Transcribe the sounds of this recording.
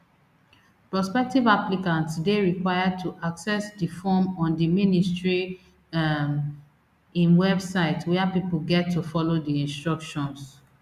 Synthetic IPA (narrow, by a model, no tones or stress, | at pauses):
pɹɔspɛk̚tivaplikãntsdeɹikwaɪjad̚tʰuʔaksɛsdifɔmɔ̃ndiministɹi | ĩnwɛbsaɪtwɛapipuɡɛtʰːufɔlodiĩnstɹɔkʃɔ̃ns